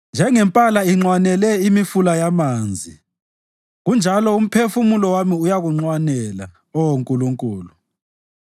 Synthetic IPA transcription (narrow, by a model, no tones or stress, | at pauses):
nd͡ʒʱɛŋɛmpʼalaiŋ͡ǀwanɛlɛimifulajamaːnd͡zʱi | ɣund͡ʒʱalɔum̩pʰefumulɔwamiujaɣuŋ͡ǀwanɛla̰ | ɔwoŋkʼuluŋkʼuːlu